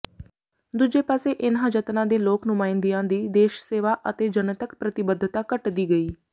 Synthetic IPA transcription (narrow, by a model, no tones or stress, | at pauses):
d̪ud͡ʒeːpaːseːʔɪnãːd͡ʒət̪nãːd̪eːloːknʊmaːɪ̃nd̪ijãːd̪iːd̪eːʃseːʋaːʔət̪eːd͡ʒənət̪əkpɾət̪ɪbəd̪ʱːət̪aːkəʈd̪iːɡəiː